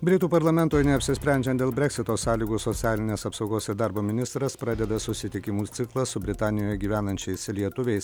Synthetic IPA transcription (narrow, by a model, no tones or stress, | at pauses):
bʲɾʲɪt̪uːpɐɾlˠɐmʲɛnt̪oːjnʲɛɐpʲsʲɪsʲpʲɾʲɛˑnʲd͡ʒʲɛnd̪ʲeːlˠbʲɾʲɛksʲɪt̪oːsɑːlʲiːɡuːsɔt̪sʲɪɑːlʲɪnʲeːsɐpsɒʊɡoːsɪɾd̪ɑɾboːmʲɪnʲɪst̪ɾɐspɾɑːd̪ʲɛd̪ɐsʊsʲɪt̪ʲɪkʲɪmuːt̪sʲɪklˠɐsʊbʲɾʲɪt̪ɑːnʲɪjoːjɛɡʲiːʋʲæːnɐnʲt͡ʃʲɛɪslʲiɛt̪ʊʋʲɛɪs